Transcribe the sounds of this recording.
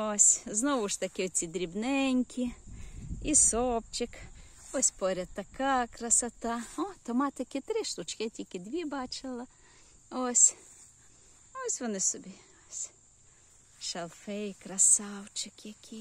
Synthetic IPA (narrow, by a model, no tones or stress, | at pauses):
ɔsʲznɔʋʊʃt̪ɐkʲɪɔt͡sʲid̪ɾʲibnɛnʲkʲʰi | isɔpt͡ʃɪk | ɔsʲpɔɾʲɐt̪ːɐkɑkɾɐsɐt̪ɑɔt̪ɔmɑt̪ɪkɪt̪ɾɪʃlʊt͡ʃkɪtʲikɪd̪ʲʋʲibɑt͡ʃɪlˠɪ | ɔsʲ | ɔsʲʋɔnɪsɔbʲi | ɔsʲ | ʃɐlˠfɛjkɾɐsɑwt͡ʃɪkjɐkʲʰi